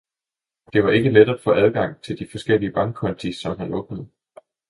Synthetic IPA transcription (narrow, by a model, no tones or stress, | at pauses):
d̥e̝ʋɑ̈e̝ɡ̥əled̥æd̥fɔ̽ʔæð̞ˠɡ̥ɑ̈ŋ̰t͡sʰe̝ld̥ifɒ̽sɡ̥el̰iəb̥ɑ̈ŋkʰɒ̽nt͡sʰisɒ̽mɦænʔɔ̽ɡ̥̚nəð̞̩ˠ